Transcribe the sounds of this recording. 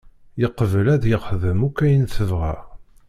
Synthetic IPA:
jəqːəvəlæðjəʁχðəmukːæjənθəvʁæ̰

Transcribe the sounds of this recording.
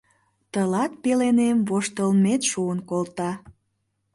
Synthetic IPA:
t̪əlɑt̪̚pelenemvoʃt̪əlmet̪ʃuənkolt̪ɑ

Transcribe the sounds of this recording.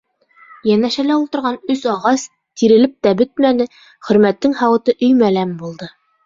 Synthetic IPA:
jænæʃælæulˠt̪ɤ̆ɾʁɑnɵsɑʁɑs | t̪iɾɘ̆lɘp̚t̪æbɘt̪̚mænɘ | χɵ̆ɾmæt̪ːɘŋhɑwɤ̆t̪ɤʔɵ̆jmælæmbulˠd̪ɤ

